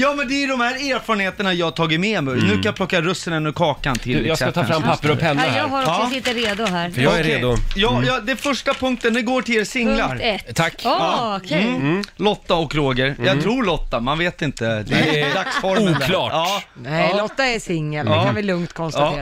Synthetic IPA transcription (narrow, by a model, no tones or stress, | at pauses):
jɑːmɛnd̪ɛæɖɔmhæːɾeːɾfɑːɾənheːt̪əɳajɑːhat̪ʰɑːɡɪt̪mɛmɛnʉ̟ːkʰanjapʰlɔkːaɾɵsːənɛnːɵkʰɑːkant̪ʰɪlːɛjɑsɛat̪ʰɑːfɾampʰapːəɾɔpʰɛnːjɑːɡhaɾɔɑːsɪt̪ːəɾeːd̪ʊɦæːɾfəjɑæɾɾeːd̪ʊjɑːjɑd̪ɛfœʂʈapʰɵŋk̚t̪ənd̪ɛɡoːʈʰɪlːsɪŋlaɾɛt̪ʰːakːɑːkʰːlɔt̪ːaɔkɾoːɡəɾjɑt̪ʰɾuːɾɭɔt̪ːamanveːt̪ɪnt̪əd̪ɛd̪aksfɔɾuːk̪lɑːɑːnɛlɔt̪ːaɛsɪŋːəlɛːanvɪlɵŋt̪kʰɔnst̪aː